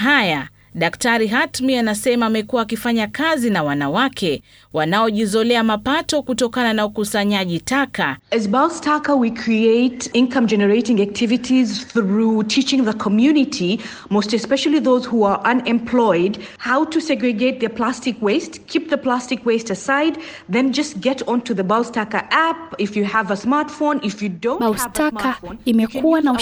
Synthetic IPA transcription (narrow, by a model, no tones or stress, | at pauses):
ɦaja | ɗaktaɾiɦatmianasɛmaːmɛkuwaːkifaɲakazinawanawakʰɛ | wanaɔʄizɔlɛamapatɔkutɔkananaukusaɲaʄitakaɛzbastʰakəwikʰɹieɪtĩnkʰãmd͡ʒɛnəɹeɪtɪ̃ŋak̚tʰɪvitʰizθɹutʰit͡ʃɪ̃ŋðəkʰɔmjunɪtʰi | moʊstɛspɛʃəlˠiðoʊzhua˞ʔãnɛ̃mpʰl̥ɔɪdhaʊtusɛɡɹɨɡeɪt̪̚ðə˞pʰl̥astɪkweɪstkʰip̚ðəpl̥astɨkweɪstəsaɪd̪̚ | ðɛ̃nd͡ʒʌst̚ɡɛɾɔ̃ntuðəbalˠstakə̰˞ʔæp̚ɪfjɨəvəsmaɹtfõnɪfjɨdõastaanimɛkuwana